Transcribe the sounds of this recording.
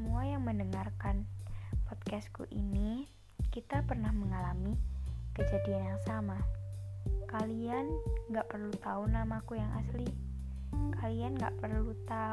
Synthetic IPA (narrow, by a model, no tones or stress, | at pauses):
əmuajaŋməndəŋarkanpɔd̪̚kɛskṵʔḭni | kit̪apərnahməŋalamikəd͡ʒadianjaŋsama | kalianɡaʔpərlut̪aunamakujaŋʔa̰sli | kalianɡa̰ʔpərlut̪a